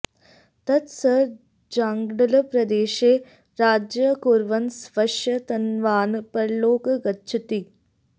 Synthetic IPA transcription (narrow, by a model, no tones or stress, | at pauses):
t̪ɐt̪sɐ | d͡ʒaːŋɡɽɐlɐpɾɐd̪eːʃeː | ɾaːd͡ʒjɐkuːɾʋɐnsʋɐʂjɐt̪ɐnʋaːnɨpɐɾloːkɐɡɐtːt͡ʃʰɐt̪i